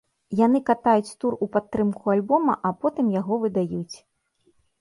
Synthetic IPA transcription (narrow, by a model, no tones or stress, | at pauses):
jan̪ɨkat̪ajut͡sʲt̪urupat̪ːɾɨmkualʲbɔmɐʔapɔt̪ɨmjaɣɔvɨd̪ajut͡sʲ